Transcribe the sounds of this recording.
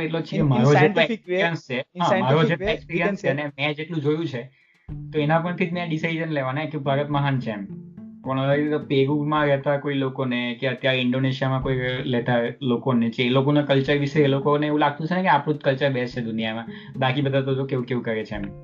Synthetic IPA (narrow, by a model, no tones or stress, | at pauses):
eʈlot͡ʃʰekemaɾod͡ʒelõespiɾijənst͡ʃʰeɦãmaɾod͡ʒeʈloekspiɾijənst͡ʃʰenemɛ̃d͡ʒeʈlũd͡ʒojũt͡ʃʰe | t̪oenãpəɳt̪ʰit̪mẽɖisaid͡ʒənleʋanaekebʱaɾət̪məɦant͡ʃʰemkɔɽ̃t̪opeɾumãɾɛt̪aekoilokonekeət̪jaɾeɪɳɖoneʃijamãkoilɛt̪alokonet͡ʃeːlokonekəlt͡ʃəɾʋiʃeːlokoneeʋũlaɡ̚t̪ũt͡ʃʰenekeapɽ̃ũt̪kəlt͡ʃəɾbɛst͡ʃʰed̪unijamã | bakibəd̪ʱat̪̬od͡ʒokeʋũkeʋũkəɾet͡ʃʰeem